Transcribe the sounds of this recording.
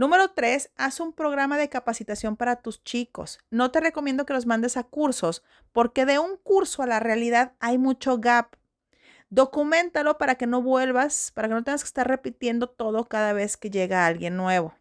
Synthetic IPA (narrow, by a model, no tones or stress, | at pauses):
nũme̞ɾo̞t̪ɾe̞sasumpɾo̞ɣɾamaðe̞kapasit̪asjo̞mpaɾat̪ust͡ʃiko̞̰sno̞t̪e̞re̞komjẽnd̪o̞ke̞lo̞zmãnd̪e̞sakuɾso̞s | po̞ɾke̞ðe̞uŋkuɾso̞alarealiðaðajmut͡ʃo̞ɣap | d̪o̞kumẽ̞nt̪alo̞paɾake̞no̞βwe̞lβaspaɾakenot̪eŋɡaske̥st̪aɾre̞pit̪je̞nd̪o̞t̪o̞ðo̞kaðaβ̞e̞ske̞ʝe̞ɣaalɣje̞nːwe̞βo̞